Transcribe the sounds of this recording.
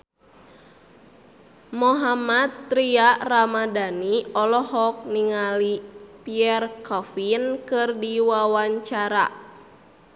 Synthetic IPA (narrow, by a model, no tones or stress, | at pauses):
moɦamat̪ːɾiaramadaniɔlɔɦɔk̚niŋalipiɛrkʰɔfinkɨrdiwawaɲt͡ʃaɾa̰